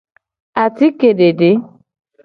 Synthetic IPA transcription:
a˨ti˦ke˨de˨de˨˦

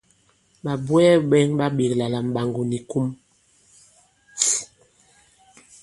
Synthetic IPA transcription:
ɓa˨bwɛ˦ɓɛ˦ŋɓa˦ɓe˨kla˨la˨m̩˨ɓa˨ŋɡu˨ni˨ku˦m

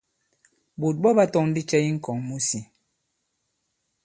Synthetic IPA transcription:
bu˨t̚bɔ˦ba˦tɔ˦˨ŋn̩˦di˦t͡ʃɛ˦i˦ŋ̩˦kɔ˨ŋmu˦si˨

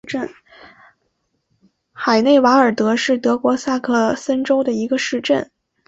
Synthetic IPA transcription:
ʈ͡ʂə˥˩n | xa˨˩ɪne˥˩ɪwa˧˥ə˞˨˩t̪ɤ˧˥ʂɻ̩˥˩t̪ɤ˧˥kwɔ˧˥sa˥˧kʰɤ˥˩sə˥nʈ͡ʂo˥ʊd̪ə˨i˧˥ɡə˧ʂɻ̩˥˧ʈ͡ʂə̰˥˩n

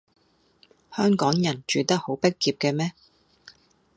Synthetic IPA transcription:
hœː˥ŋkɔː˨˥ŋjɐ˨˩nt͡ʃyː˨t̪ɐ˥k̚ho˨˥wpe˥kːiː˧p̚kɛː˧mɛː˥

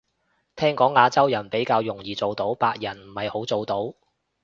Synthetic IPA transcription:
t̪ʰɛː˥ŋkɔː˨˥ŋːaː˨˧t͡sɐ˥wjɐ˨˩npe˨˥jkaː˧wjʊ˨˩ŋjiː˨˩t͡so˨wt̪o˨˥wpaː˧k̚jɐ˨˩nm̩˨˩hɐ˨jho˨˥wt͡so˨wt̪o˨˥w

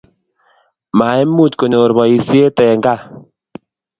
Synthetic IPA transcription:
ma˨e˦mːu˦˨t̪ko˨no˨ɾbɔ˨i˦si˦e˦t̪ɛ˨ŋɡa˦˨

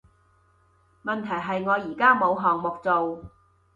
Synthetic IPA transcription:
mɐ˨nt̪ʰɐ˨˩jɦɐ˨jŋɔː˨˧jiː˨˩kaː˥mo˨˧wɦɔː˨ŋmʊ˨k̚t͡so˨w

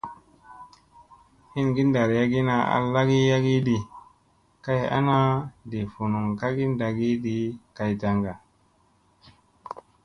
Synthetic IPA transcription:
hi˦nɡi˦nda˨ɾja˦ɡi˦na˨a̰˨lːa˦ɡi˦ja˦ɡi˦di˨ | ka˦ja̰˦na˦de˨fu˨nu˨ŋka˦ɡi˦nda˨ɡi˦di˦ka˨jta˨ŋɡa˨

